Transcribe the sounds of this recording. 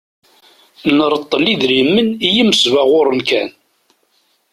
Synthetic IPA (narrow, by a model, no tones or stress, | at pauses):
nəɾˤət̪ˤːəlːiðɾimːənijəməsvaʁʊɾˤənkæn